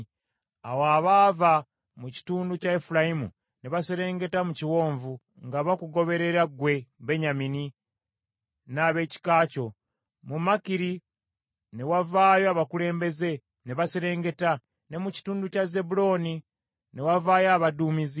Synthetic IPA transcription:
a̰waːβaːva | muci̥tuːnducaefulaimṵ | neβaseɾe̞ːŋɡe̞tamuciwo̞ːɱvu | ŋɡaβakuɡo̞βe̞ɾe̞ɾaɡwe̞βeɲamini | naːβe̞ci̥kaːco̞ | mumakiɾi | ne̞wavaːjoaβakule̞ːmbe̞ze̞ | neβaseɾe̞ːŋɡe̞ta | ne̞muci̥tuːnducaze̞bulo̞ːni | newavaːjaβaduːmizi

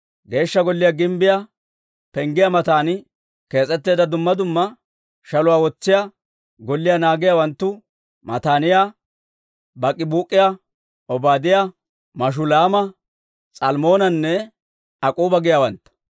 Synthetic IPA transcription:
ɡe̞ːʃːɐɡɔlːɪjaɡɪmbɪja | pɛŋɡɪjamɐt̪aːnɪ | ke̞ːt͡sʼːɛt̪ːeːd̪ɐd̪ʊmːɐd̪ʊmːɐ | ʃɐlʊwaːwɔt͡sːɪja | ɡɔlːɪjanaːɡɪjawɐnt̪ːʊ | mɐt̪aːnɪja | bɐkʼɪbuːkʼːɪja | ʔɔbaːd̪ɪja | mɐʃ̬ʊlaːmɐ | t͡sʼɐlmo̞ːnɐnːɛ | ɐkʼuːbɐɡɪjawɐnt̪ːɐ̥

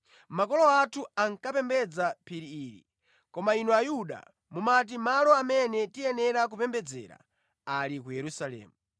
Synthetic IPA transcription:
makɔlɔatʰuaŋkapɛmbɛd͡zapʰiɾiːɾḭ | kɔmainuajuɗa̰ | mumat̬imalɔamɛnɛtijɛnɛɾak̬upɛmbɛd͡zɛ̰ɾa̰ | alikujɛɾusalɛ̰ːmu

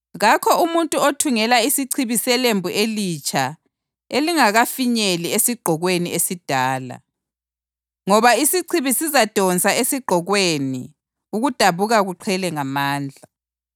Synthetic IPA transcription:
ɣakʰɔʔumuntʼuotʰuŋɛlaisiǀʰiβisɛlembʱuʔelit͡ʃʰʼa | eliŋaɣafiɲeliesiɡ͡ǃ̥ʱɔɣweniesid̥ʱaːla̰ | ŋɔβaisiǀʰiβisizad̥ʱɔnt͡sʼaesiɡ͡ǃ̥ʱɔɣwenḭ | uɣud̥ʱaβuɣaɣuǃʰɛlɛŋamaːnd͡ɮʱa

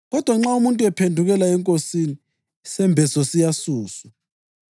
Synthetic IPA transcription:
ɣɔd̥ʱwaŋ͡ǁaumuntʼuɛpʰendʱuɣɛlaɛŋkʼosini | sɛmbʱɛsɔsijasuːswa

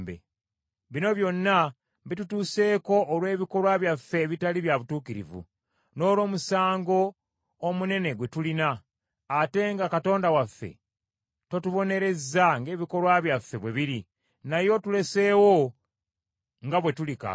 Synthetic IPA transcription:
bḛ | βino̞βjo̞nːa | bitutuːse̞ːko̞ʔːlwe̞ːβiko̞lwaβjafːe̞βitaliβjaβutuːkiɾḭvṵ | no̞ːlo̞ːmusaːŋɡo̞ː | mune̞ne̞ɡwe̞tulinaː | te̞ŋɡakato̞ːndawafːe̞̰ | to̞tuβo̞ne̞ɾe̞zaŋɡe̞ːβiko̞lwaβjafːe̞βweβiɾi | najo̞tule̞se̞ːwo̞ | ŋɡaβwe̞tulika̰

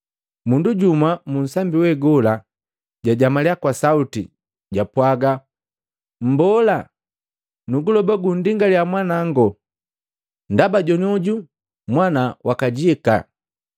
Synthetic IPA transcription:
munduɟumamun̩sambiwɛɡɔla | ɟaɟamalɛakwasautḭ | ɟapwaɡa | m̩bɔla | nuɡulɔbaɡundiŋɡaliamwanaŋɡɔ | ndabaɟɔniɔɟu | mwanawʔakaɟiɛka̰

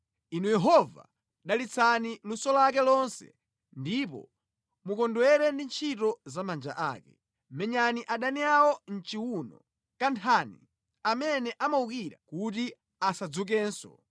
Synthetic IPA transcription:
inujɛɦɔva̰ | ɗalit͡sʰanilusɔlak̬ɛlɔnsɛ̰ | ndip̬ɔ̰ | mukɔndwɛɾɛndint͡ʃʰitɔzamand͡ʒa̰ʔa̰ːkɛ̰ | mɛɲaniʔaɗaniawɔn̩t͡ʃiwunɔ̰ | kantʰaːnḭ | amɛnɛʔamaukiɾa̰kuti | asad͡zuk̬ɛːnsɔ̰

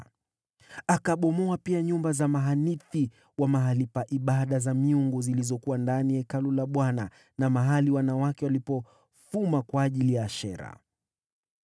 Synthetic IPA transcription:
akaɓɔmɔapiaɲumbazamaɦaniθi | wamaɦalipaʔiɓaɗazamiuŋɡuzilizɔkuwandanijɛkalulaɓwana | namaɦaliwanawakɛwalipɔ | fumakwaːʄilijaːʃɛ̰ɾa̰

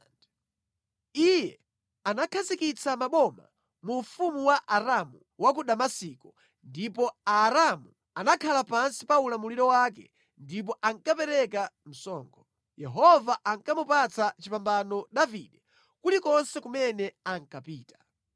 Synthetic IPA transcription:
ijɛ | anakʰazikit͡sʰamaɓɔma̰ | muɱfumuwaʔaɾamu | wak̬uɗamasikɔ | ndipɔaɾamu | anakʰalapansipaulamuliɾɔwak̬ɛ̰ | ndip̬ɔʔaŋkapɛɾɛkam̩sɔ̰ːŋɡɔ | jɛɦɔvaʔaŋkamupat͡sat͡ʃipambanɔɗaviɗɛ | kulikɔnsɛkumɛnɛaŋ̩kapiːtḁ

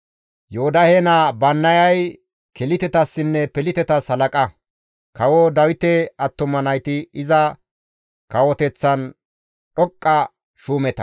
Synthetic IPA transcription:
joʊd̪ɐhenɐbɐnːɐjɐj | kɛlɪt̪ɛt̪ɐsːɪnːɛpɛlɪt̪ɛt̪ɐshɐlɐkʼɐ | kɐwɔd̪ɐwɪt̪ɛɐt̪ːʊmɐnɐjt̪ɪɪzɐ | kɐwɔt̪ɛt͡sːɐn | ɗɔkʼːɐ | ʃuːmɛt̪ɐ̥

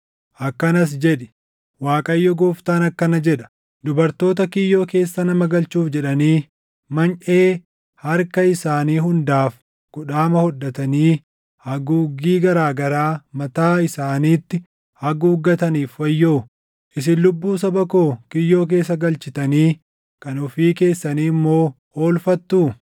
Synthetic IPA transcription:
ʔɐkːɐnɐs̬d͡ʒɛᶑɛ̥ | waːkʼɐjːɔɡɔːft̪aːnɐkːɐnɐd͡ʒɛᶑɐ̥ | d̪ʊbɐɾt̪o̞ːt̪ɐkɪjːo̞ːke̞ːsːɐnɐmɐɡɐlt͡ʃuːfd͡ʒɛᶑɐniː | mɐnʔeː | hɐɾkɐɪsaːniːɦʊnd̪aːf | kʊᶑaːmɐhɔᶑːɐt̪ɐniː | hɐɡuɡiːɡɐɾaːɡɐɾaːmɐt̪aːɪsaːniːt̪ːɪ | hɐɡuːɡːɐt̪ɐniːfwɐjːoː | ʔɪs̬ɪnlʊbːuːs̬ɐbɐko̞ːkɪjːo̞ːk̬e̞ːs̬ːɐɡɐlt͡ʃɪt̪ɐniː | kɐnʊfiːke̞ːsːɐniːmːo̞ː | oːlfɐt̪ːuː

